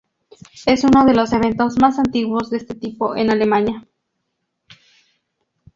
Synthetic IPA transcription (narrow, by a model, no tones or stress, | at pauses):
esunoðeloseβent̪osmasant̪iɣwozðeest̪et̪ipoʔenalemanja